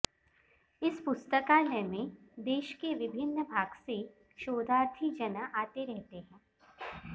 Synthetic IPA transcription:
ɪspʊst̪əkanəmẽd̪eːʃkeʋɪbʱɪnːəbʱaːɡse | ʃoːd̪aːɾt̪ʰid͡ʒɐnaʔaːt̪eɾɛɦt̪eɦɛ̃ː

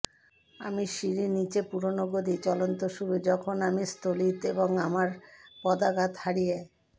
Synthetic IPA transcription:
a̰miʃiɾinit͡ɕepuɾonoɡod̪it͡ɕɔlont̪oʃuɾud͡ʑɔkʰonamist̪olit̪eboŋamaɾpɔd̪aɡat̪haɾije

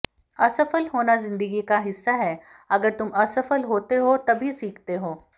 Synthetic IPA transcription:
ɐsəfəlɦoːnazɪ̃nd̪əɡikaɦɪsːaɦɛ | ɐɡəɾt̪ʊmɐsəfəlɦoːt̪eɦot̪ɐbʱisiːkʰt̪eɦoː

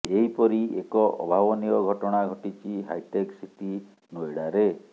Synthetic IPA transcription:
eɦipɔɾiekɔʔɔ̰bʱawɔniɔɡʱɔʈɔɽ̃aɡʱɔʈit͡ʃiɦa̰jʈeksiʈi | nojɽaɾe

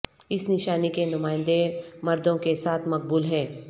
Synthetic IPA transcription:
ɪsnɪʃaːnikenʊmaːɪ̃nd̪emɐɾd̪õkesaːt̪ʰmɐk̚buːlɦɛ̃ː

